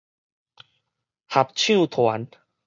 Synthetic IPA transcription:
ha˨p̚t͡ɕʰjũ˥˧˨t̪ʰwa˨˦n

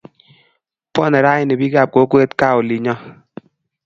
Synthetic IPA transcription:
pɔ˦˨nɛ˨ɾa˦ɪ˨ne˨bi˦ɡa˨p̚ko˨˦kwe˦tka˦˨ʊ˨li˨ɲɔ˦

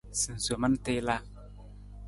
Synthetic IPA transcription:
sɨ˨n˨su˨ma˦n˦te˦la˦

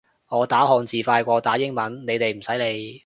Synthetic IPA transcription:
ŋɔː˨˧t̪aː˨˥hɔː˨ŋt͡siː˨faː˧jkʷɔː˧t̪aː˨˥jɪ˥ŋmɐ˨˥nne˨˧jt̪e˨jm̩˨˩sɐ˨˥jle˨˧j

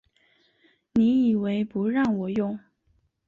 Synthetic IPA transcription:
ni˧˥i˨˩we˧˥ɪpu˧˥ɻɑ˥˩ŋwɔ˨˩jʊ˥˩ŋ

